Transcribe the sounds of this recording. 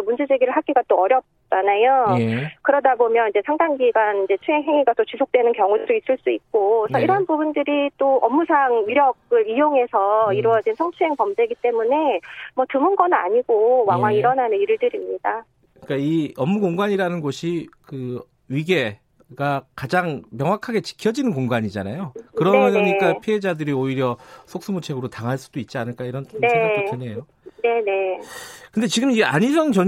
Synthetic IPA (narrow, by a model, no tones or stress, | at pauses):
mund͡ʑe̞d͡ʑeɡiɾɯɭɦak͈iɡat͈oʌɾjʌp̚t͡ɕ͈anajokɯɾʌdabomjʌnid͡ʑe̞sʰaŋdaŋɡiɡanid͡ʑe̞t͡ɕʰueɦeŋiɡat͈ot͡ɕisʰok̚t͈we̞nɯnkjʌŋudois͈ɯɭs͈uik̚k͈osʰʌiɾʌanbubundɯɾit͈oʔʌmːusʰaŋɥiɾjʌɡɯɭijoŋe̞sʰʌiɾuʌd͡ʑinsʰʌŋt͡ɕʰueŋpʌmde̞ɡit͈e̞mune̞mwʌtɯmɯnɡʌnɯna̰ɲiɡ̥owaŋɦwaŋiɾʌnanɯniɾɯɭdɯɾimɲida | ɯɲik͈aiʌmːuɡoŋɡaɲiɾanɯnɡoɕʰikɯ | ɥiɡe̞ | ɡakad͡ʑaŋmjʌŋwakʰaɡe̞t͡ɕi̥kʰjʌd͡ʑinɯnkoŋɡaɲid͡ʑanajokɯɾʌɲik͈apʰiɦe̞d͡ʑadɯɾioiɾjʌsʰok̚s͈umut͡ɕʰe̞ɡɯɾotaŋɦaɭs͈ud̥oit̚t͡ɕ͈ianɯɭk͈aiɾʌntʰneet͡ɕʰenejo | ne̞ne̞kɯnde̞t͡ɕiɡɯmiɡeaɲisʰʌnt͡ɕʌ